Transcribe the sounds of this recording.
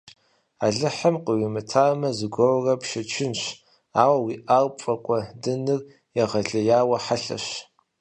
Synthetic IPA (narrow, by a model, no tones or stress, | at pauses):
aɮɨħamqəwimɨtʰaːmɐzɨɡʷowrɐpʃɐt͡ʃʰɪnɕ | aːwɐwiʔaːlpʷʼɐkʷʼɐdɨnɨr | jɛʁɐɮɐjaːwɐħaɬɐ̰ɕ